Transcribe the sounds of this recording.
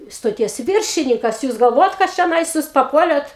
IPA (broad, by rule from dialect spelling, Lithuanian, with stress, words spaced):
stoːˈtʲiɛs ˈʋʲɪrʲʃʲɪnʲiːkɐs ˈjuːs ɡɐlˠˈʋoːjɛt kɐt t͡ʃʲoːˈnɐɪs ˈjuːs pɐˈpuɔlʲeːt